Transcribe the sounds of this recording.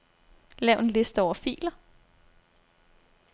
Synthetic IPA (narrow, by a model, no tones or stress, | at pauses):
lɛʊe̝nle̝sd̥əɒʊ̰ɐfḭːlɐ